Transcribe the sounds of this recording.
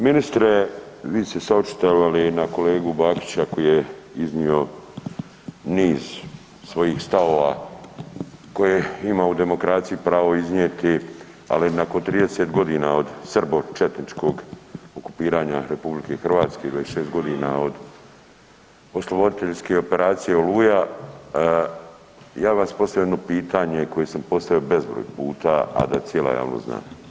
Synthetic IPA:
minist̪ɾe̞ | ʋiːst̪e̞saot͡ʃi̥t̪eʋalinako̞le̞ːɡubaːki̥t͡ɕako̞jijeiznio̞ | niːz | sʋo̞jiːxst̪ao̞ːʋa | ko̞jeimaud̪e̞mo̞kɾaːt̪sijipɾaːʋo̞izɲeːt̪i | a̰linako̞nt̪ɾiːd̪e̞set̪ɡo̞d̪iːnao̞d̪sr̩bo̞t͡ʃet̪nit͡ʃko̞ɡoku̥piːɾaːɲaɾe̞publike̞xr̩ʋaːt̪skeiɡ̪oeʃeːst̪ɡo̞d̪iːnao̞d̪ | o̞slˠobo̞d̪it̪e̞ʎske̞o̞pe̞ɾaːt̪sijeoluːja | jaːʋaspo̞st̪avjoed̪no̞piːt̪ʰaɲe̞ko̞jesampo̞st̪aʋio̞be̞zbɾo̰ːjpuːt̪aa̰d̪at̪sjela̰ja̰ːʋno̰zna̰ːm

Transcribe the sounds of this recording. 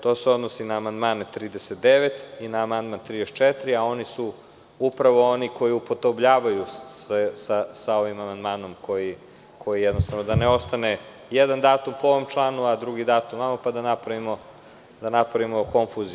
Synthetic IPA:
t̪o̞ːseo̞d̪nosinaːmand̪maːnet̪ɾiːd̪eset̪̚d̪eʋet̪inaːmand̪mant̪ɾiːd̪est͡ʃet̪ɾiao̞nisu | upɾaʋo̞oniko̞jiupo̞t̪o̞bʎaːʋajuesasao̞ʋimamand̪maːno̞mko̞ji | kʰo̞jijed̪nost̪aʋnod̪aneo̞st̪ane | jed̪and̪aːt̪umpooʋomt͡ʃlˠaːnuad̪ɾuɡid̪aːt̪umʋamapad̪anapɾaʋimo̞ | d̪anapɾaʋimo̞ko̞ɱfuzi

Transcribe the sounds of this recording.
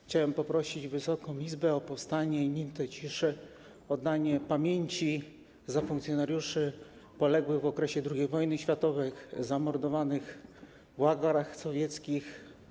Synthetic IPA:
xt͡ɕawɛmpɔpɾɔɕid͡ʑvɘsɔkɔ̃w̃izbɛɔpɔfst̪aɲɛiɲimt̪ɛt͡ɕiʂɘ | ɔd̪ːaɲɛpamʲjeɲt͡ɕi | zafuŋkt̪sʲjɔnaɾjuʂɘ | pɔlɛɡwɘvɔkɾɛɕɛd̪ɾuɡʲejvɔjnɘɕfʲjat̪ɔvɛjzamɔɾd̪ɔvanɘx | vwaɡaɾaxsɔvʲjɛt̪skʲix

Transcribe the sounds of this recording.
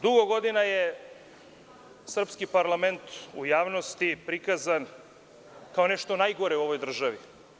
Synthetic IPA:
d̪uɡoɡo̞d̪inaje | sr̩pskipaɾlˠame̞nt̪ujaːʋno̞st̪ipɾikazan | kao̞neʃt̪o̞najɡo̞ɾeuo̞ʋo̞jd̪r̩ʒaʋi

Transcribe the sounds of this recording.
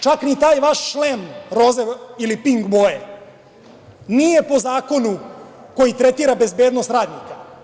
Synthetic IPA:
t͡ʃaknit̪aːjʋaʃːlemɾo̞zeilipiŋɡboe | nije̞po̞zaːko̞nuko̞jit̪ɾet̪iːɾabe̞zbe̞ːd̪nost̪ɾaːd̪nika

